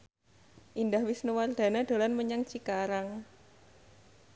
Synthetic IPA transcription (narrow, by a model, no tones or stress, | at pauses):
ʔindahwɪsnuward̪̥ä̤nad̪̥a̤lanməɲaŋt͡ʃikaɾaŋ